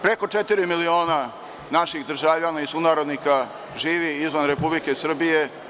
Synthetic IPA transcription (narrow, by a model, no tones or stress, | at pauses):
pɾe̞ko̞t͡ʃet̪iɾimilio̞ːna | naʃixd̪r̩ʒavʎanaisunaːɾod̪nika | ʒiːʋiizʋanɾepublike̞sr̩bije̞